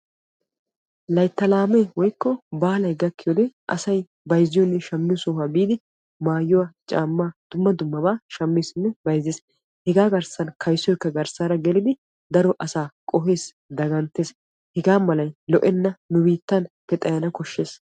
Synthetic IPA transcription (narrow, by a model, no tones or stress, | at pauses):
lɐjt̪ːɐlaːmɛwɔjkːɔbaːlɐjɡɐkːɪjɔd̪ɛʔɐ̰sɐj | bɐjzːɪjɔnːɛʃɐmːɪjsɔːhabiːd̪ɪ | maːjːʊwɐt͡ʃʼa̰ːmːaːd̪̥ʊmːɐd̪ʊmːɐbaːʃɐmːesɪnːɛbɐjzːeːs | hɛɡaːɡɐɾsɐnkʰɐjsːɔjɪkːɐɡɐɾsaːɾɐɡɛlɪd̪ɪ | d̪ɐɾɔʔɐsaːkʼɔɦe̞ːs | d̪ɐɡɐnt̪ːeːs | hɛɡaːmɐlɐjlɔʔɛnːɐnʊbiːt̪ːɐnpɛt̪ʼɐjɐnɐkɔʃːe̞ːs